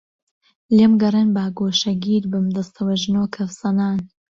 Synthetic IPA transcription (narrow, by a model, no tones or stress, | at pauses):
lemɡɐrˤenbaːɡoːʃɐɡiːɾbɨmd̪ɐst̪ʰɐwɐʒnoːkʰɐfsɐnaːn